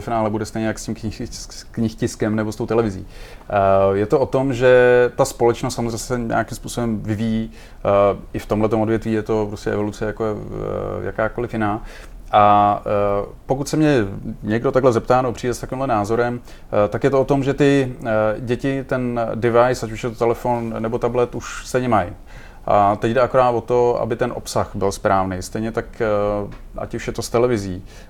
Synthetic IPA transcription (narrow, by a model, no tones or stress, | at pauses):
ɛfɪnaːlɛbudɛst̪ɛjɲɛjakscimkɪkɲɪxcɪskɛmnɛbost̪o̞wt̪ɛlɛvɪzḭː | jɛt̪oʔot̪o̞mʒɛt̪aspo̞lɛt͡ʃnost̪samozrɛssɛɲa̰akɪmspuːsobɛmvɪvijiː | ɪft̪omlɛt̪omʔodvjɛt̪viːjɛt̪o̞pɾoscʲɛʔɛ̰vo̞lut͡sɛjakoɛja̰kaːko̞lɪfjɪnaː | ʔa | po̞kut̪sɛmɲɛɲɛɡdot̪aɡlɛzɛpt̪aːnɛbopr̝iːdɛst̪akʋiːmlɛnaːzo̞ɾɛm | t̪akjɛt̪oot̪o̞mʒɛt̪ɪ | ɟɛcɪt̪ɛndɪvajsacuʃjɛt̪ot̪ɛlɛfo̞nnːɛbo̞t̪ablɛt̪uʃst̪ɛjɲɛmaj | ʔat̪ɛɟdɛʔakoɾaːt̪vo̞t̪o̞a̰bɪt̪ɛnʔo̰psaxbɪlspɾaːvnejst̪ɛjɲɛt̪ak | ʔa̰cuʃjɛt̪ost̪ɛlɛvɪziː